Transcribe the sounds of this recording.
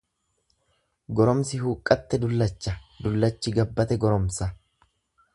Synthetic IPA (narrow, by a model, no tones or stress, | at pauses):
ɡɔɾɔmsɪhuːkʼːɐt̪ːɛd̪ʊlːɐt͡ʃːɐd̪ʊlːɐt͡ʃːɪɡɐbːɐt̪ɛɡɔɾɔmsɐ